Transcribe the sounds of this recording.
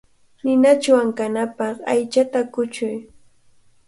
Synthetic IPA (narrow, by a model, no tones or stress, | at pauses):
nɪnat͡ʃwaŋkanapɑχajt͡ʃat̪akʊt͡ʃʊj